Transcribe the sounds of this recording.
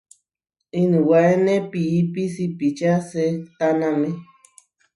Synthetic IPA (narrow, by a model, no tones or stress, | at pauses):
inũwaenẽpiipisipit͡ʃaset̪anãmẽ